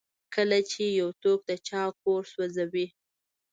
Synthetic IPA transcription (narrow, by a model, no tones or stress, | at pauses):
kəlat͡ʃejawt̪ok̚d̪ət͡ʃɑkoɾswazawi